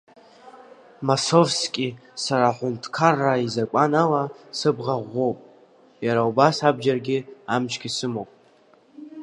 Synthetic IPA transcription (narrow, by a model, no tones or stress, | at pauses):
masovskʲʼisaɾaħʷʊntʰkʰarːaizakʷʼanalasɨbʁaʁʷːo̞wpʼ | jaɾaubasabʒarɡʲɪamt͡ʃʰkʲisɨmowpʼ